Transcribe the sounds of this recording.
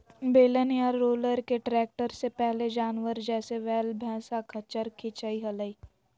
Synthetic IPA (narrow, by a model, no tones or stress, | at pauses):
beːlənijaɾːoːləɾkeʈɾɛːk̚ʈəɾsepɛɦled͡ʒaːnʋəɾd͡ʒɛːseʋɛːlbʱɛ̃ːsakʰɐt͡ʃəɾkʰit͡ʃaiɦɐləiː